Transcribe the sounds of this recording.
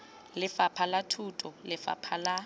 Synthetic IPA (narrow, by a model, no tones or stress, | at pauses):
lɪfapʰalatʰutʼɔlɪfa̰pʰala